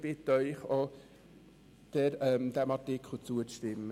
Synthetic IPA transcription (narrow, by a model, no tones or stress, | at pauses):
bɪt̪œʏχo | d̪̥ɛɾœmd̥̪æmɑtɪkʰχlʊt͡suəʃtɪmːə